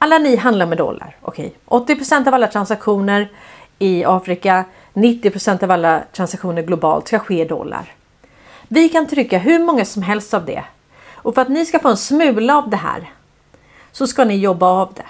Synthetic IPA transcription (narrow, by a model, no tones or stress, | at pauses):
ʔalːanɪɦand̪laɾɔmɛd̪ɔ̰lːa̰ɾʔɔ̰kʰɛ̰jʔɔt̪ːɪpɾʊsɛnt̪avalːat̪ʰɾansakɧuːnəɾɪɑːfɾɪka | nɪt̪ːɪpʰɾʊsɛnt̪avalːat̪ʰɾansakɧuːnəɾɡlʊbɑ̰ːlt̪skaɧeːd̪ɔ̰lːa̰ɾ | vɪkʰant̪ʰɾʏkːaɦɵɾmɔŋːasɔmɦɛlst̪avd̪ɛ̰ | ɔfœɾat̪nɪskafoːɛnsmʉ̟ːlaːvd̪ɛɦæ̰ːɾ | sɔskanɪjɔbːaːvd̪ɛ̰